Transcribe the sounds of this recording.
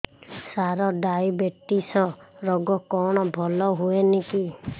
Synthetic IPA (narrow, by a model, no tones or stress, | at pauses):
saɾɔɖajbeʈisɔɾɔɡɔkɔɽ̃ɔbʱɔlɔɦueniki